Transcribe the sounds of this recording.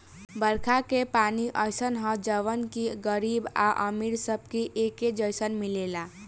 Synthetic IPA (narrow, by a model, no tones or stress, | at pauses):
bəɾkʰakepaniʔəjsənɦə̃d͡ʒəʋənkiɡəɾiba̰ʔə̰miɾsəb̚kiʔeked͡ʒəjsənmilela